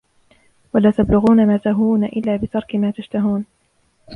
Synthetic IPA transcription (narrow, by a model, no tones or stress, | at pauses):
walaːt̪ablʊɣuːnamaːt̪aɦuːnaʔɪlːaːbɪt̪ɑɾˤkɪmaːt̪aʃt̪aɦuːn